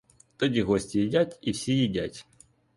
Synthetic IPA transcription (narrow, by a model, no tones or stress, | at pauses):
t̪odʲiɣosʲtʲɪjɪdʲætʲifsʲejɪdʲæ̰tʲ